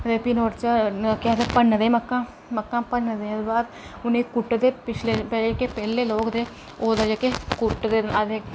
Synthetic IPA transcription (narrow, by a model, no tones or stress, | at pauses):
d̪eːpinoːɾt͡ʃakɪaːd̪epənːd̪eːməkːãː | məkːãːpənːd̪ed̪baːd̪ | ʊnẽːkʊʈːd̪eːpɪt͡ʃʰleːpekeːpɛːleːloːkd̪eː | oːd̪ad͡ʒakeːkʊʈːd̪eːad̪e